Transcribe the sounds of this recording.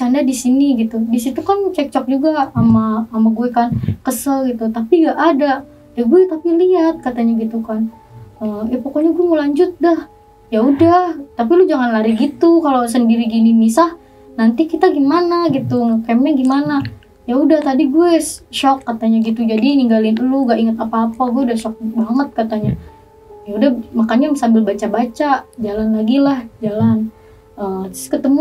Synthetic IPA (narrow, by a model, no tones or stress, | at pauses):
t͡ʃandadisiniɡit̪udisit̪ukant͡ʃɛk̚t͡ʃɔk̚d͡ʒuɡaːmaːmaɡuɛkankəsəlɡit̪ut̪apiŋɡaʔada | jaɡuɛt̪apiliat̪̚kat̪aɲaɡit̪ukan | əmjapokoɲaɡuɛŋolaɲd͡ʒʊt̪̚dah | jaudaht̪apilʊhd͡ʒaŋanlaɾiɡit̪ukalaws̬əndiɾiɡinimisah | nant̪ikit̪aɡimanaɡit̪uŋkmɲaɡimana | jaudaht̪adiɡuɛsʃɔkːat̪aɲaɡit̪ud͡ʒadiniŋɡalɪnəluɡaʔiŋət̪apaːpaɡuɛudahʃɔk̚baŋət̪̚kat̪aɲa | jaudahmakaɲasambɪlbat͡ʃabat͡ʃad͡ʒalanlaɡilahd͡ʒalan | ʔəmt̪skət̪əmu